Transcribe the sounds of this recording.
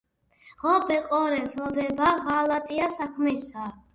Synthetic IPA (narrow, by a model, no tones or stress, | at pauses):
ʁɔbɛqʼɔɾɛsmɔd̪ɛbaʁalat̪ʼiasakʰmɛsa